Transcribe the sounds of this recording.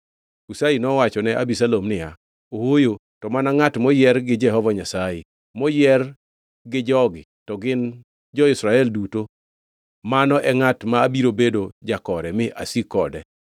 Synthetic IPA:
usainɔwat͡ʃɔnɛʔabisalomnɪja | owojo | tɔmanaŋatmɔjɪɛrɡɪd͡ʒɛɦɔvɔɲasajɪ | mɔjɛr | ɡɪd͡ʒɔɡɪtɔɡɪn | d͡ʒɔɪsɾaɛlduto | manɔʔɛŋatmaːbiɾobedod͡ʒakɔɾɛmɪʔa̰sikɔdɛ

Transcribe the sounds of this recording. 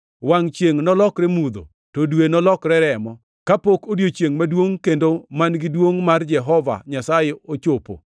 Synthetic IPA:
waŋt͡ʃjeŋnɔlɔkɾɛmud̪o̰ | todwenɔlɔkɾɛɾɛmɔ | kapokodjot͡ʃjeŋmadwoŋkendomanɡɪdwoŋmard͡ʒɛɦɔva̰ɲasajeot͡ʃopo̰

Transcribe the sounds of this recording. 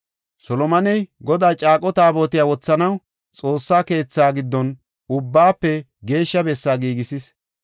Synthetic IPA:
sɔlɔmɐnɛjɡɔd̪aːt͡ʃʼaːkʼɔt̪aːbo̞ːt̪ɪjaːwɔt͡sːɐnɐw | t͡sʼo̞ːsːaːke̞ːt͡sːaːɡɪd̪ːɔn | ʊbːaːpːɛ | ɡe̞ːʃːɐbɛsːaːɡiːɡɪsɪs

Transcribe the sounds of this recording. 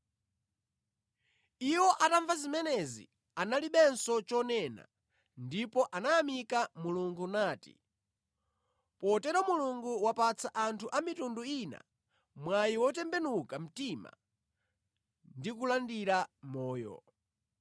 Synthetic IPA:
iwɔʔataɱvazimɛnɛzḭ | analiɓɛnsɔt͡ʃɔnɛna̰ | ndipɔʔanaamikamuluŋɡunaːtḭ | pɔtɛɾɔmuluŋɡuwapat͡sʰaʔantʰuʔamitunduina̰ | mwajiwɔt̬ɛmbɛnukam̩tima̰ | ndikulandiɾamɔːjɔ̰

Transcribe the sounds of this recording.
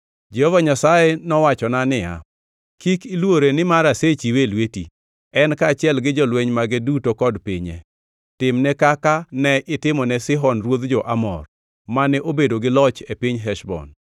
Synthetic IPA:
d͡ʒehɔvaɲasajenɔwat͡ʃɔnanɪja̰ | kikilwoɾenɪmaɾaset͡ʃiwelwetḭ | ɛnkat͡ʃɪɛlɡɪd͡ʒɔlweɲmaɡedutokɔdpɪɲɛ̰ | tɪmnɛkakanɛʔɪtɪmɔnɛsɪɦɔnrwod̪d͡ʒɔʔamɔ̰r | manɛʔobedoɡɪlɔt͡ʃepiɲɦɛʃbɔ̰n

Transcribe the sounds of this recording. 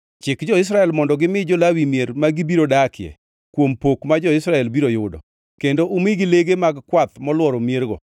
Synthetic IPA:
t͡ʃɪkd͡ʒɔɪs̬ɾaɛlmɔndɔɡɪmɪd͡ʒɔlawimjeɾmaɡɪbiɾodakɪɛ̰ | kwompokmad͡ʒɔɪsɾaɛlbiɾojʊdɔ̰ | kendoʔʊmɪɡɪleɡemaɡkwat̪mɔlwɔɾɔmjeɾɡɔ̰

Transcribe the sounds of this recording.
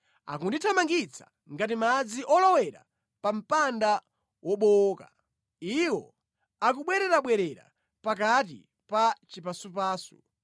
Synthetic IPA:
a̰kunditʰamaŋɡit͡sʰḁ̰ | ŋɡat̬imad͡ziʔɔlɔwɛɾa̰ | pam̩panda | wɔɓɔka̰ | iwɔ̰ | akuɓwɛɾɛɾaɓwɛɾɛɾa̰ | pak̬at̬ḭ | pat͡ʃipasup̬aːsu̥̰

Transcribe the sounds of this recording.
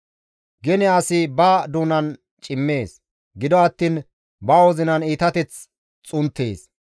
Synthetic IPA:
ɡɛnɪaːsɪbaːd̪uːnɐn | t͡ʃʼɪmːe̞ːs | ɡɪd̪ɔɐt̪ːiːn | bɐɔzɪnɐniːt̪ɐt̪ɛt͡s | t͡sʼʊnt̪ʰːḛːs

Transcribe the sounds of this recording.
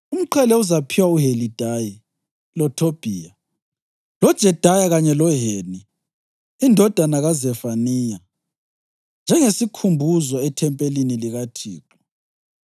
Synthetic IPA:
um̩ǃʰɛlɛuzapʰiwauɦelid̥ʱaji | lɔtʰob̥ʱiːja | lɔd̥ʒ̥ʱɛd̥ʱajaɣaɲɛlɔɦeːniː | ndʱɔd̥ʱanaɣazɛfaniːja | nd͡ʒʱɛŋesikʰumbʱuzɔɛtʰɛmpʼeliniliɣatʰḭːǃɔ̥

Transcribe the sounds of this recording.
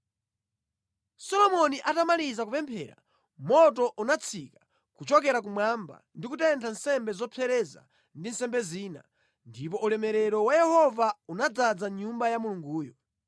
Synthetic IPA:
sɔlɔmɔniʔatamalizak̬upɛmpʰɛ̰ɾa̰ | mɔtɔʔunat͡sʰikḁ | kut͡ʃɔkɛɾak̬umwamba̰ndikutɛntʰansɛmbɛzɔpʰɛɾɛza̰ | ndinsɛmbɛziːna̰ | ndip̬ɔʔulɛmɛɾɛɾɔwajɛhɔvaunad͡zad͡zaɲumbajamuluŋɡuːjɔ

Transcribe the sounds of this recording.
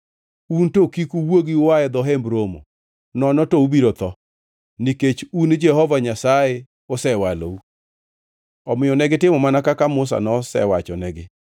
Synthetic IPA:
untokikuwoɡiwajɛd̪ɔɦɛmbɾomo̰ | nɔnɔtoubiɾot̪ɔ | niket͡ʃund͡ʒɛhɔvaɲasajɛ | ʊsɛwalo̰u | ɔmɪjɔnɛɡɪtɪmɔmanakakamʊs̬a̰nɔsɛ̰wat͡ʃɔnɛɡɪ

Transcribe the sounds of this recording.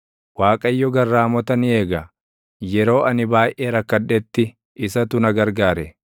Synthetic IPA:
waːkʼɐjːɔɡɐrːaːmɔt̪ɐnɪe̞ːɡɐ | jɛɾo̞ːɐnɪbaːjʔeːɾɐkːɐdːɛt̪ːɪ | ɪsɐt̪ʊnɐɡɐɾɡaːɾɛ

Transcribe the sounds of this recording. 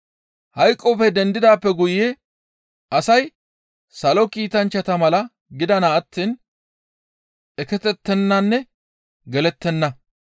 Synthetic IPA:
hɐjkʼːɔfɛd̪ɛnd̪ɪd̪aːpːɛɡʊje | ʔɐsɐj | sɐlɔkiːt̪ɐnt͡ʃːɐt̪ɐmɐlɐ | ɡɪd̪ɐnaːt̪ːiːn | ɛkɛt̪ɛt̪ːɛnːɐnːɛ | ɡɛlɛt̪ːɛnːɐ

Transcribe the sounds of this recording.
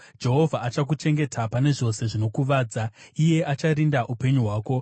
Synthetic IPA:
d͡ʒe̞ɦo̞vʱaat͡ʃak̬ut͡ʃe̞ŋɡe̞tʰapane̞ʐo̞se̞ʐino̞kuʋaːd͡zaije̞ʔat͡ʃaɾindaʔupe̞ɲuɦwaːko̞

